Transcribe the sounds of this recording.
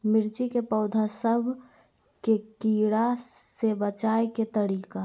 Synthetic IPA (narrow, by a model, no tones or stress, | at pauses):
mɪɾt͡ʃikepəʊd̪ʱasəbʱ | kekiːɽasebət͡ʃaːeket̪əɾiːka